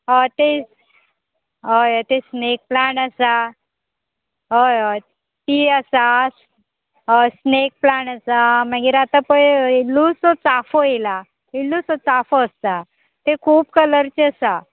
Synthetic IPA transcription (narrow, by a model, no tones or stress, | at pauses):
ɦət̪e | ɦəjət̪esnek̚plaɳəsa | ɦəj | t̪iəsas | ɦəsnek̚plaɳasamaɡiɾat̪apəilːusɔt͡safoila | ilːusɔt͡safoəst̪a | t̪ekʰuːpkələɾt͡ɕeəsa